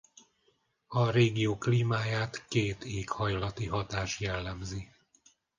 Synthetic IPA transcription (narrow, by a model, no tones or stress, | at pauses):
ɒɾeːɡijoːkliːmaːjaːt̪keːt̪eːkhɒjlɒt̪iɦɒt̪aːʃjɛlːɛmzi